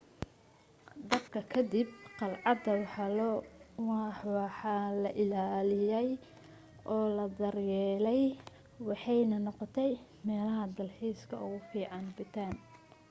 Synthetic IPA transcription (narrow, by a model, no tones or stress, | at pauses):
d̪ɐbkʰɐkʰɐd̪ibqɑlʕɑd̪ɐwɑħɑl | ħɑlɐʔɪlaːlɪjɛj | ʔɔːlɐd̪ɐɾjɛːlɛj | wɑħɑjnɐnɔqɔt̪ʰɛj | mɛːlɐɦɐd̪ɐlħiːskʰɐʊɣʊfiːʕɑnbɪt̪ʰaːn